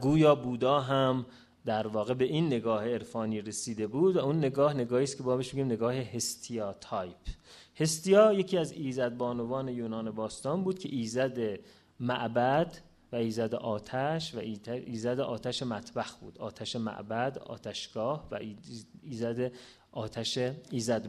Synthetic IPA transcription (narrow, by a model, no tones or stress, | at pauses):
ɡuːjɒːbuːd̪ɒːɦæm | d̪æɾvɒːɣe̞be̞ʔinːe̞ɡɒːheeɾfɒːniːɾesiːd̪e̞buːd̪væunːeɡɒːhne̞ɡɒːhiːst̪kʰeɒːbeʃmeɟimne̞ɡɒːheɦest̪ʰijɒːt̪ʰɒjpʰhe̞st̪ijɒːje̞cʰiːæziːzæd̪̚bɒːnovɒːne̞juːnɒːnebɒːst̪ɒːnbuːd̪̚cʰe̞̰ʔiːzæd̪e | mæ̰ʔbæd̪ | væiːzæd̪ḛʔɒːt̪ʰæʃvæiæiːzæd̪eʔɒːt̪ʰæʃemæt̪ʰbæxbṵːd̪̥ɒ̰ːt̪ʰæʃemæ̰ʔbæd̪ɒ̰ːt̪ʰæʃɡ̥ɒːhvæ̰iːzæd̪e | ʔɒːt̪ʰæʃeiːzæd̪